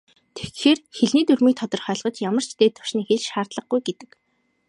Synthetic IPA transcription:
t̪ʰe̥xxeːrxeɮniːt̪ɵrmiːk̚t̪ʰɔt̪ɞ̆rχœːɮʁə̆t͡ɕjamə̆r̥t͡ɕʰt̪eːt̪ʰːʊ̥ʃniːxeɮt͡ɕʃaːrt̪ɮə̆χɡujɡet̪ɘ̥̆k

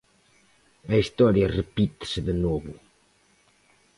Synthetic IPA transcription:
ɐist̪ɔɾjɐrepit̪ɪ̥sɪðenɔβʊ

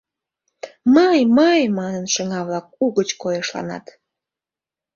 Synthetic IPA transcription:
məjməjmɑnənʃəŋɑβlɑk̚uɣət͡ɕkojeʃlɑ̰nɑ̰t̪

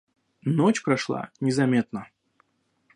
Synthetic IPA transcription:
not͡ɕpɾɐʂlˠa̰nʲɪzɐmʲet̪̚nə

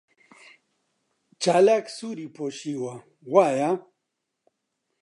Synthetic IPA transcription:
t͡ʃalɐksuɾipoɕiwa | waja

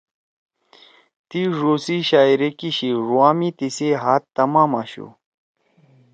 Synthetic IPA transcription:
t̪iʐosiɕaːiɾekiɕiʐuwaːmit̪iseɦat̪ːamamaɕṵ

